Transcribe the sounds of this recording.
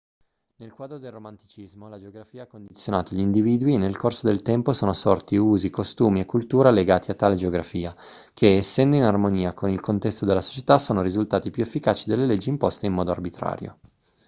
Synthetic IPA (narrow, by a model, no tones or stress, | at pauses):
nelkwaːd̪ɾod̪elromant̪i̥t͡ʃizmolad͡ʒeoɡɾafiːaakːond̪it̪sːjonaːt̪oʎind̪iviːd̪uinelkorsod̪elt̪ɛmposoːnosɔrt̪iuːzikost̪uːmiekːult̪uːɾaleɡaːt̪iat̪ːaːled͡ʒeoɡɾafiːa | kʰeːsːɛnd̪oinarmoniːakonilkont̪ɛst̪od̪elːaso̥t͡ʃe̥t̪asoːnoɾizult̪aːt̪ipjuefːikaːt͡ʃid̪elːeled͡ʒːiːmpost̪eimmɔːd̪oarbit̪ɾa̰ːɾjo̰